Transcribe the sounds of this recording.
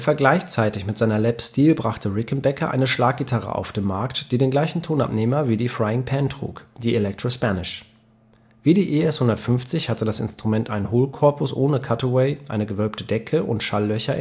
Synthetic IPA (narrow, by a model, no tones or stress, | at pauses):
fɛɐɡlaɪçt͡saɪtɪçmɪtz̥aɪnɐlɛpstiːlbʁaχtʰəʁɪkn̩bɛkʰɐʔa̰ɪnəʃlaːk̚ɡ̥itʰaʁə̰ʔa̰ʊfd̥eːmaɐktd̥iːdeːnɡlaɪçn̩tʰoːnʔa̰pneːmɐviːdiːfʁ̥aɪɪŋpʰɛntʁ̥ṵːkd̥iːelɛk̚tʁ̥ospanɪʃ | v̥iːdiːʔeɛshʊndɐtfʏnft͡sɪçhatədasɪ̰nstʁ̥umɛntʔaɪnɦoːlkʰɔɐpʊsʔoːnəkʰatəwɛɪʔa̰ɪnəɡəvœlp̚tʰədɛkʰəʔʊ̰ntʃalːœçɐ